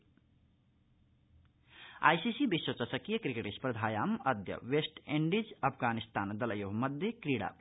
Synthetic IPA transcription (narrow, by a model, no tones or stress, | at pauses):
a̰ːjsisibiswət͡ʃəsəkijəkɾikeʈispɾəd̪ʱaːjaməd̪jə̰ʋesʈeɳɖid͡ʒɐpʰɡanist̪aːnd̪ɐləjoɦməd̪jekɾiɽa̰